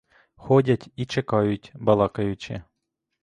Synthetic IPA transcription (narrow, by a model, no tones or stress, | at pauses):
xɔdʲɐtʲit͡ʃekɑjʊtʲbɐlˠɑkɐjʊt͡ʃɪ̰